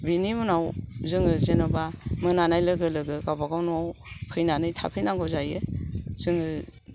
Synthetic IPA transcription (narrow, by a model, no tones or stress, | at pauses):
binimunawzɯŋɯzenɔbamɯnanajlɯɡɯlɯɡɯɡabaɡawnawpʰɯjnanɯjtʰa̰pʰɯjnaŋɡɔzajez̥ɯŋɯ